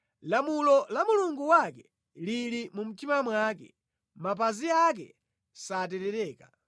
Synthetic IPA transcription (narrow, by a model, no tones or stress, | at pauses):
lamulɔlamuluŋɡuwakɛ | liɾimum̩timamwaːkɛ̰ | map̬aziak̬ɛ̰ | satɛtɛɾɛːka